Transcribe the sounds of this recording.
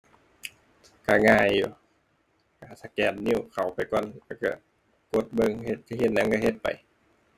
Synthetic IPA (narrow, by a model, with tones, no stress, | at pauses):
ka˧˩ŋaː˧˩jːu˧˦ | ka˧˩sa˧kɛː˨˩nni˧˩˨wkʰa˨˩wpa˨˩jkɔː˧˨nlɛː˧˩wka˧˩ | ko˧˦t̪̚bɤ˧˨ŋhe˧t̪̚ka˧he˧˦t̪̚na˧˥ŋka˧˩he˧t̪̚pa̰˨j